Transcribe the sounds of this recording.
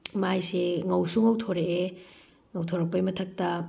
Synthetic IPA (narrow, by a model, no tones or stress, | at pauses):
majseŋɐwsuŋɐwtʰoɾee | ŋɐwtʰoɾɐk̚pɐjmɐtʰɐk̚tɐ